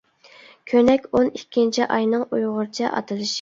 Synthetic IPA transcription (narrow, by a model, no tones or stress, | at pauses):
kʲʰønɛkʲonikʲʰːint͡ʃʰiʔɑjnɨŋujʁʊɾɨt͡ʃʰɛ̰ʔɑ̰t̪ʰɨlˠɨʃ